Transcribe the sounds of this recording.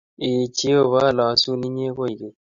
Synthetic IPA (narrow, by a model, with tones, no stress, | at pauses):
ɪ˨t͡ʃi˨˦o˦˨βa˦˨lɔ˨˦su˦ni˦ɲ˦e˦ko˦i˨ke˨